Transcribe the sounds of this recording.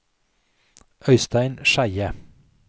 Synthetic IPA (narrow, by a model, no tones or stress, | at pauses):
ʔœʏst̪æɪnʃæɪə